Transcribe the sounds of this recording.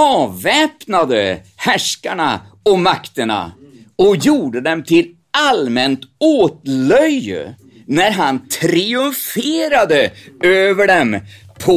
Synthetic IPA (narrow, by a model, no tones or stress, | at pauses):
ɑːvɛːpnad̪əhæʂkaɳa̰ | ɔmakt̪əɳa̰ | ɔkjuːɖəd̪ɛmt̪ʰɪl | almɛnt̪oːt̪lœjːə̰ | næɾɦant̪ʰɾiɵmfeːɾad̪əøːvəɖɛm | pʰɔ